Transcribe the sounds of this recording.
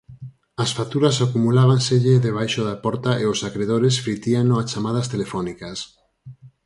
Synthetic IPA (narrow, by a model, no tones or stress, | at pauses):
asfat̪uɾasakumulaβ̞anseʎeðeβ̞ajʃoðapɔɾt̪aeosakɾeð̞oɾesfɾit̪ianoat͡ʃamað̞ast̪elefɔnikas